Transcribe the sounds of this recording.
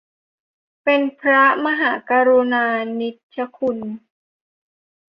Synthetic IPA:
pe˧npʰɾa˦˥ma˧ɦaː˩˦kaː˧ɾu˧naː˧ni˦˥t̪̚t͡ɕʰa˧˦kʰu˧n

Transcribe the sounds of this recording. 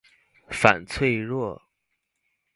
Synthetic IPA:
fa̰˨˩nt͡sʰwe˥˧ɪɻwɔ˥˩

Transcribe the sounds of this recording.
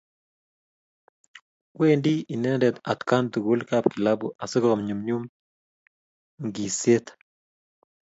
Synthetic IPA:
we˦ndi˦i˨nɛ˦ndɛ˨t̪a˨t̪ka˦nt̪u˨ɡo˦lkapki˨la˦bu˨ʔa˨sɪ˦kɾɔ˨mɲu˨mɲu˦m | ŋɡi˨se˦t̪

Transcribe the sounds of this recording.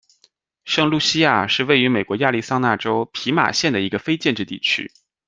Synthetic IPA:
ʂɤ˥˧ŋlu˥˩ɕi˥ja˥˩ʂɻ̩˥˧we˥˩ɪy˧˥me˨˩ɪkwɔ˧˥ja˥˧li˥˩sɑ˥ŋna˥˩ʈ͡ʂo˥ʊpʰi˧˥ma̰˨˩ɕjɛ˥˩nd̪ə˩i˧˥ɡə˧fe˥ɪt͡ɕjɛ˥˧nʈ͡ʂɻ̩˥˧t̪ḭ˥˩t͡ɕʰy̰˥

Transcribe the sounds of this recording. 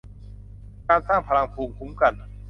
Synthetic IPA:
kaː˧nsaː˥˩ŋpʰa˧la˧ŋpʰuː˧mpʰu˦˥mka˧n

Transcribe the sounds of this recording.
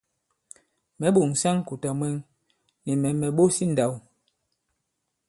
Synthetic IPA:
mɛ˨˦ɓo˨ŋ˨sa˦ŋ˦ku˨ta˨mwɛ˦ŋ | ni˨mɛ˨mɛ˨ɓo˦si˦n̩˨da˨w

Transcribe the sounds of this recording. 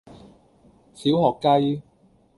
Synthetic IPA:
siː˨˥whɔː˨kːɐ˥j

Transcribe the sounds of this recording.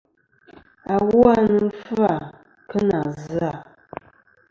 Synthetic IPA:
a˨ɣu˦a˦nə˨˦fa˨ | kə˦na˨zɨ˨˦a˨

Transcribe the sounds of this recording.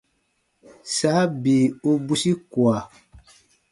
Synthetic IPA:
saː˨˦biː˨o˦bu˦si˦kwa˨

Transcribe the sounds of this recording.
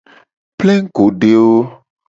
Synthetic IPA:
plɛ˦ɡo˨ɖe˨wo˦

